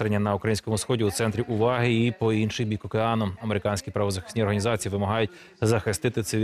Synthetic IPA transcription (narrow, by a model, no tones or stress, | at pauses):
ɾenʲːɐnɐukɾɐjinʲsʲkɔmʊsxɔdʲiut̪sɛnt̪ɾʲiʔʊʋɑɦɪipɔinʃɪjbʲikɔkeɑnʊɐmeɾɪkɑnʲsʲkʲipɾɐʋɔzɐxɪ̥sʲtʲnʲiɔrɦɐnʲizɑt͡sʲijiʋɪmɐɦɑjʊt̚ʲ | zɐxɪst̪ɪt̪ɪt̪sɪ